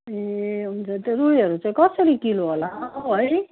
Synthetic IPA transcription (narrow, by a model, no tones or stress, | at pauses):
eɦunt͡sʰʌt̪orujʌɾut͡saĩkʌsʌɾikiloɦolaʌj